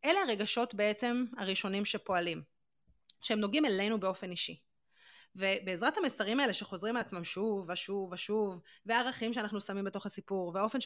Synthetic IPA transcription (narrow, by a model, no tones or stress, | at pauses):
ʔeleaʁe̞ɡaʃo̞tbe̞et͡se̞maʁiʃo̞nimʃepo̞alim | ʃeemnoɡimele̞nube̞o̞fe̞niʃi | vebe̞ːzʁathamesaʁimaele̞ʃe̞χo̞zʁimalat͡smamʃuvaʃuvaʃuvveaːʁaχimʃeanaχnusamimbe̞to̞χasipuʁveao̞fe̞nʃ